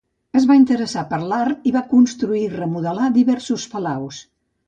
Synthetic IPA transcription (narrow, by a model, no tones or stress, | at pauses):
əzβaint̪əɾəsapəɾlaɾt̪iβakunst̪ɾuirəmuðəlad̪iβɛɾsuspəlaws